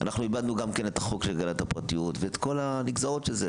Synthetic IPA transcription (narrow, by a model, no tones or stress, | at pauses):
a̰nʔaχnuibad̪nuɡamke̞ne̞t̪aχokʃelɡanat̪hapʁatijutveet̪ko̞laniɡzaʁot̪ʃeze